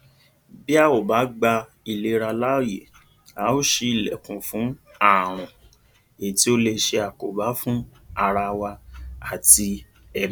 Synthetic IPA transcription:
bi˦a˦˨o˨ba˨˦ɡ͡ba˧ | i˧˨le˧ɾa˧la˦o˦˨jḛ˨ | a˨˦o˦ʃe˧i˨lɛ˨kũ˨fũ˨˦ | a˦˨ɾ̃ũ˨ | e˨ti˨˦o˧˦le˧ʃe˧a˨ko˨ba˨˦fũ˦ | a˧ɾa˧wa˧a˨ti˧ | ɛ˦˨

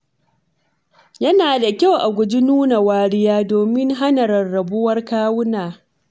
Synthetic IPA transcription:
jɐ˦naː˨da˨kʲa˦wʔa˨ɡʷʊ˨d͡ʒɪ˦nuː˦na˨waː˦ɽɪ˦jaː˦doː˨mɪ˦ŋɦa˦nɐ˨ɾɐ˨rːɐ˨bʊ˦wɐ˦rkaː˦wʊ˦naː˨

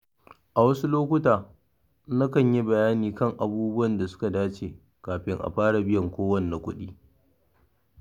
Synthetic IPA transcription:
ʔa˨wɐ˦su˦loː˦kʷʊ˦taː˨ | na˦kɐ˦˨ɲji˦bɐ˨jaː˦niː˨kɐ˦˨ŋʔa˨buː˦bʊ˦wɐ˨nda˨sʊ̥˦ka˨daː˦t͡ʃeː˨ | kaː˨ɸɪ˦ŋʔa̰˨ɸaː˦ɽa˨bɪ˦jɐ˨ŋkʷoː˦wɐ˦nː˨a˨kʷʊ˦ɗiː˦

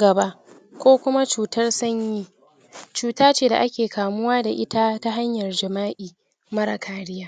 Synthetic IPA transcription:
ɡɐ˨ba˦ʔ | kʷoː˦kʷʊ˦ma˦t͡ʃuː˨tɐ˦rsɐ˦ɲjiː˦ | t͡ʃuː˨taː˦t͡ʃeː˦˨da̰˨ʔa˦kʲeː˨kʰaː˨mʊ˦waː˦da˨ʔɪ˦ta˦ta˦ɦa˦ɲjɐ˨rd͡ʒɐ˨maː˦ʔiː˨ | mɐ˦ɾa˨kʰaː˨ɽɪ˦jaː˦

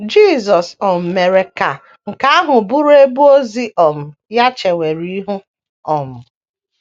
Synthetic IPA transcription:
d͡ʒi˦˨zɔ˨sɔ˨m̩˨me˨ɾe˨ka˨ | ŋ̩˨ka˨˦a˦ɦʊ˨bʊ˦ɾe˦bu˦o˦zi˦ʔɔ˨m̩˨ja˦t͡ʃe˨wʷe˨ɾi˦ɦʊ˦ | ɔ˨m̩˨

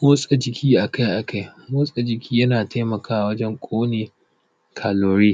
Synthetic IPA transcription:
moː˦sʼa˨d͡ʒɪ˨kʲiː˦ʔa˨ka˦jʔa˨ka˦jmoː˦sʼa˨d͡ʒɪ˨kʲiː˦jɐ˦naː˨tʰa˦mɐ˨kʰaː˦ʔa˨wɐ˦d͡ʒɛ˦ŋkʷʼoː˦neː˨ | kʰaː˨loː˨˦ɾeː˦

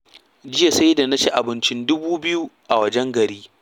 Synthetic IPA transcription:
d͡ʒɪ˦ja˨sa˦jda˨na˦ʃe˦ʔa˨bɪ˦nt͡ʃɪ˦ndʊ˦buː˦bɪ˦ju˦ʔa˨wɐ˦d͡ʒɛ˦ŋɡɐ˨ɾiː˦

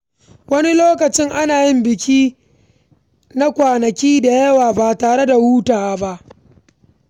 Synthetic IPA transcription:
wɐ˦ni˦loː˦kɐ˨t͡ʃɪ˦ŋʔa˦naː˨jɪ˦mbɪ˨kʲiː˦ | na˦kʷaː˨nɐ˨kʲiː˦da˨jɐ˦waː˨baː˨taː˨ɽe˦da˨wuː˦taː˨ba˦ʔ

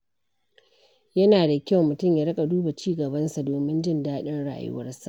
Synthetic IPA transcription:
jɐ˦naː˨da˨kʲa˦wmʊ˨tʊ˦˨mja˨ɾɐ˦kʼa˨duː˦ba˨t͡ʃiː˦ɡɐ˨bɐ˦nsa˨doː˨mɪ˦nd͡ʒɪ˦˨ndaː˦ɗɐ˦nɽa̰˦ʔa̰˨jʊ̰˦wɐ̰˦rsa˨ʔ

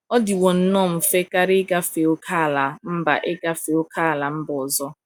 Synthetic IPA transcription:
ɔ˦dɪ˨wɔ˨n̩˦nɔ˦˨m̩˨fe˦ka˦ɾɪ˦ɡa˦fe˨o˦kʰa˦˨la˨m̩˦ba̰˨ʔɪ˦ɡa˦fe˨o˦kʰa˦˨la˨m̩˦bɔ˨zɔ˦

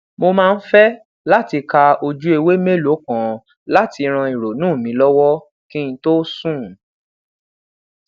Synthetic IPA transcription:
mo˧mãː˦˧n̩˦fɛ˦ | la˦ti˧ka˧o˧d͡ʒu˦e˧we˦me˦lo˨˦kã˨ | la˦ti˧ɾ̃ã˧i˨ɾo˨nũː˦˨mĩ˨˦lɔ˦wɔ˦ | kĩ˦ĩ˧to˦sũ˦˨

